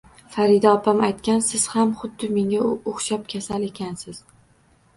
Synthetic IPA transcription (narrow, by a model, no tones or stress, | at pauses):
faɾɪd̪aɒpʰamajt̪̚kʲansɪz̥hamχʊd̪ːɪme̞ŋʲaoχʃɒp̚kʲʰasale̞kʲʰansɪz̥